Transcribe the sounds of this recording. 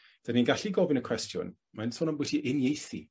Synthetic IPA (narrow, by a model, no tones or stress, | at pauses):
d̥aninɡaɬiɡɔvɪnəkʰw̥ɛstjʊ̰n | mansɔːnənmbwɪdʰiʔɪnjejθḭ